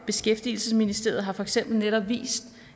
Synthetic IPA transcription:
b̥e̝sɡ̥efd̥iːl̩səsminisd̥e̝̰ɐð̩ˠɦɑ̈fɒ̽eɡ̥sem̰b̥l̩neɾ̥ɒb̥ʋḭːsd̥

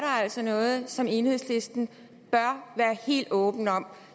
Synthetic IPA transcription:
ɐɾɑ̈æl̰sɒnɔ̽ːð̞̩ˠsɒ̽me̝ːnhe̝ð̞̰ˠsle̝sd̥n̩ | b̥ɶɐʋæːɐhe̝̰ːld̥ɔ̽ːb̥n̩ɒ̽m̰

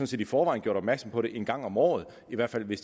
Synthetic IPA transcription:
nse̝ːd̥ifɒːʋɑ̈ɪ̰nɡ̥jo̝ɐɾ̥ɒb̥mæɐɡ̥sɒ̽mpʰɒ̽ɾe̝ʔe̝nɡ̥ɑ̈ŋ̰ɒ̽mɒ̰ːð̞̩ˠ | iʋæɐd̥fæl̰ʋe̝s

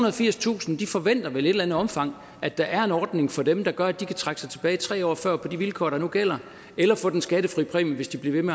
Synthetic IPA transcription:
unɐðˠfiɐ̰st͡sʰṵːsn̩d̥ifɒ̽ʋen̰d̥ɐʋele̝ɾ̥lænð̩ˠɒ̽mfɑ̈ŋ̰ | ʔæd̥ɑ̈ʔæɐe̝nɒːd̥ne̝ŋfɒ̽d̥emd̥ɑ̈ɡ̥ɶɐæd̥ikʰæt͡sʰʁɑ̈ɡ̥əsɑ̈ɪt͡sʰe̝b̥ɛːit͡sʰʁɛ̰ːɒ̰ːfɶɐ̰pʰɒ̽diʋilkʰɒ̰ːɾ̥ɑ̈nuɡ̥el̰ɐ | elɐfɔ̽d̥ensɡ̥æɾ̥əfʁḭːpʰʁḭmʋe̝sd̥ib̥liɐʋe̝me

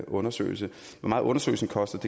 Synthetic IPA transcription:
ʔɔ̽nɐsø̰ːɪlsə | ʋɒmɑ̈ːð̩ˠɔ̽nɐsø̰ɪl̩sən̩kʰɒ̽sd̥ɐd̥e̝

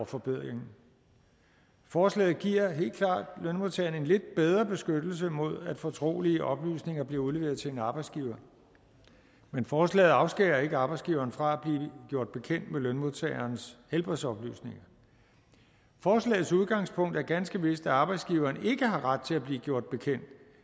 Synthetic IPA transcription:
fɒ̽b̥eð̰ˠʁeŋn̩ | fɒːslɛ̰ːð̩ˠɡ̥iɐ̰ɦe̝̰ːld̥kʰlɑ̰̈ːd̥lønmo̝ðˠt͡sʰɛɐːn̩e̝nle̝d̥̚b̥eð̞ˠʁɐb̥e̝sɡ̥ød̥l̩s̬əmo̝ð̞̰ˠæd̥fɒ̽t͡sʰʁo̝̰ːliəʔɒ̽b̥ly̰ːsne̝ŋɐb̥liɐuðle̝ʋe̝ːɐð̩ˠt͡sʰe̝enɑ̈ːb̥ɑ̈ɪdsɡ̥iːʊɐ | menfɒːslɛ̰ːð̩ˠɑ̈ʊsɡ̥ḛːɐe̝ɡ̥əɑ̈b̥ɑ̈ɪdsɡ̥iʊɐːnfʁɑ̈æb̥liːɡ̥jo̝ɐ̰d̥̚b̥e̝kʰen̰d̥melønmo̝ðˠt͡sʰɛ̰ɪɐnshelb̥ʁɛsɒ̽b̥ly̰ːsne̝ŋɐ | fɒːslɛ̰ːð̩ˠsuð̞ˠɡ̥ɑ̈ŋspʰɔ̽ŋ̰d̥æɐɡ̥ænsɡ̥əʋe̝sd̥æɑ̈ːb̥ɑ̈ɪdsɡ̥iʊɐːne̝ɡ̥əɦɑ̈ʁad̥̚t͡sʰe̝læb̥liːɡ̥jo̝ɐ̰d̥̚b̥e̝kʰen̰d̥

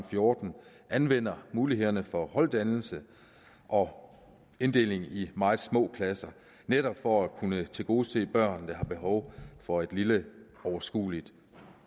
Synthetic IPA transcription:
mfjo̝ːd̥n̩ | ʔænʋen̰ɐmuːliɦe̝ðˠɐnəfɒ̽hɒ̽ld̥ænl̩sə | ʔɒ̽ | e̝nd̥e̝̰le̝ŋimɑ̈ːð̩ˠsmɔ̰̽ːpʰlæsɐ | neɾ̥ɒb̥fɒækʰunət͡sʰe̝lɡ̥o̝ːse̝̰ːb̥ɶɐ̰nd̥ɑ̈ɦhɑ̈b̥e̝ɦɒʊfɒ̽e̝d̥lilə | ɒʊɐsɡ̥ṵːlid̥

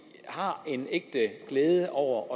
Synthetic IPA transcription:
hɑ̈e̝neɡ̥̚d̥əɡ̥leːðˠəʔɒʊ̰ɐʔɒ̽

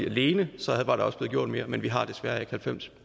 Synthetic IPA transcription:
iæle̝ːnəsɒ̽hæðˠʋɑ̈ɾ̥ɑ̈ɒ̽sleðˠɡjo̝ɐ̰d̥me̝ːɐmenʋiɦɑ̈d̥esʋæɐæekhælfem̰s

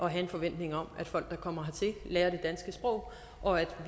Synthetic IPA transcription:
ʔɒ̽ɦæe̝nfɒ̽ʋen̰d̥ne̝ŋɒ̽mæd̥fɒ̽l̰ɡ̥̚d̥ɑ̈kʰɒ̽mɐɦɑ̈t͡sʰe̝leːɐɾ̥e̝d̥ænsɡ̥əsb̥ʁɔ̽ʊ̰ | ʔɒ̽æd̥ʋ

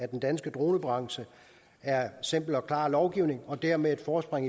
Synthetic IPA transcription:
æd̥end̥ænsɡ̥əd̥ʁo̝ːnəb̥ʁɑ̈ŋsə | æɐse̝m̰b̥l̩ɒ̽kʰlɑ̰̈ːlɒʊɡ̥iʊ̰ne̝ŋɒ̽d̥æɐ̰meðˠe̝d̥fɒːsb̥ʁeŋ̰

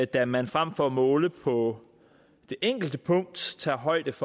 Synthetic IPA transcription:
d̥æmænfʁam̰fɒmɔːləpʰɒ̽ | d̥e̝ʔeŋ̰ɡ̥l̩d̥əpʰɔ̽ŋ̰d̥t͡sʰɑ̰̈ːɦɒ̽ɪ̰d̥əf

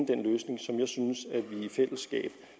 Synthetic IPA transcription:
əd̥enløːsne̝ŋsɒ̽mjɑ̈ɪsynəsæʋiifel̰əsɡ̥ɛ̰ːb̥

